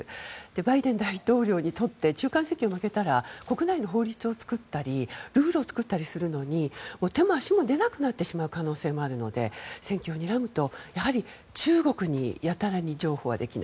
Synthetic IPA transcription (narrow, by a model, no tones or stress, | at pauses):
d̪̥e̞baid̪ẽ̞nd̪ait̪o̞ːɾʲo̞ːɲ̟it̪o̞t̪ːe̞t͡ɕɨːkãse̞ŋkʲio̞make̞t̪aɾako̞kɯ̟naino̞ɦo̞ːɾʲit͡sɨo̞t͡sɨ̥kɯt̪ːaɾʲiɾɯ̟ːɾoːt͡sɨ̥kɯ̟t̪ːaɾʲisɨɾɯ̟no̞ɲ̟imoːt̪e̞moaɕimo̞d̪e̞nakɯ̟nat̪ːe̞ɕimaɯ̟kano̞ːse̞ːmo̞aɾɯ̟no̞̰d̪e̞̰sẽ̞ŋkʲo̞ːɲ̟iɾamɯ̟t̪o̞jahaɾʲi | t͡ɕɨːɡo̞kɯ̟ɲ̟ḭjat̪aɾaɲ̟id͡ʑo̞ːho̞ːβa̰d̪ekʲina̰